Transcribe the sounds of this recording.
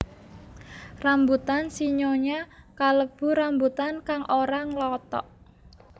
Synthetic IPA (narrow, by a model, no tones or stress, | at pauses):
rambut̪ansiɲoɲakaləb̥ṳɾambut̪ankaŋʔoɾaŋlɔt̪ɔ̰ʔ